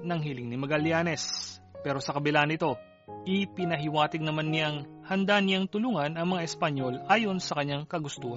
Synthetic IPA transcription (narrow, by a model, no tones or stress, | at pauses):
nɐŋɦɪlɪŋnɪmɐɡɐljaːnɛspɛːɾo̞sɐkɐbɪlaʔɐnɪt̪o̞ | ʔɪpɪnɐɦɪwaːt̪ɪɡ̚nɐmanːɪjaŋhɐnd̪anɪjaŋt̪ʊluːŋɐnɐŋmɐŋaʔɛspɐɲo̞lʔaːjo̞nsɐkɐɲːaŋkɐɡʊst̪uːhɐ